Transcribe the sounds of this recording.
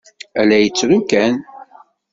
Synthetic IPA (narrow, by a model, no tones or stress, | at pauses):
ælæjət͡sːɾukæn